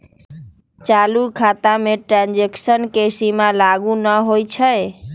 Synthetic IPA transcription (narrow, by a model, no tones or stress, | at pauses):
t͡ʃalukʰat̪ameʈɾãnd͡ʒeksənkesimãlaɡũnəɦojt͡ʃʰəe